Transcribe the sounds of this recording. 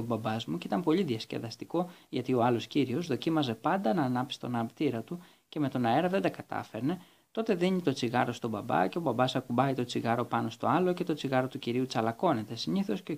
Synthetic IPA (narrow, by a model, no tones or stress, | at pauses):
obɐbɐzmucit̪ɐmpo̞ʎiðiɐscḛðɐst̪iko̞ʝɐt̪io̞ɐlo̞sciɾio̞zðo̞cimɐze̞pɐnd̪ɐnɐːnɐpsi̥t̪o̞nɐpt̪iɾɐt̪u | ce̞me̞t̪o̞nɐe̞ɾɐðed̪ɐkɐt̪ɐ̰fe̞ɾne̞ | t̪o̞t̪e̞ðiɲit̪o̞t͡siɣɐɾo̞st̪o̞bɐbɐ̰ce̞o̞bɐbɐsɐkubɐit̪o̞t͡siɣɐɾo̞pɐno̞st̪o̞̰ɐlo̞ce̞t̪o̞t͡siɣɐɾo̞t̪uciɾiut͡sɐlɐko̞ne̞t̪e̞siniθo̞sceo